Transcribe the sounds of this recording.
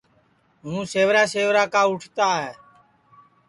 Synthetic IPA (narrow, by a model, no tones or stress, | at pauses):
ɦũːseːʋɾaːseːʋɾaːkaːʊʈʰt̪aːɦeː